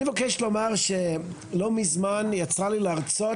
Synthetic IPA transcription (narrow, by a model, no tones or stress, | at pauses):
ivakeʃlo̞maʁʃe | lomizmanjat͡salileaʁt͡so